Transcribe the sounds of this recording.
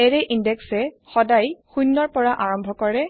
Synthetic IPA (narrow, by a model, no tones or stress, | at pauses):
ɛɹɛʔindɛksɛ | xɔdajxujnːɔɹpɔɹaʔaɹɔmbʱɔkɔɹɛ